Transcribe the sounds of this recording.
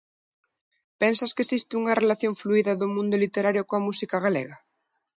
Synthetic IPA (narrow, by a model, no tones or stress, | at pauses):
pɛnsɐskesist̪ɪuŋɐrelaθjoɱfluiðɐðʊmũnd̪ʊlit̪eɾaɾjokoɐmusikaɣ̞alḛɣɐ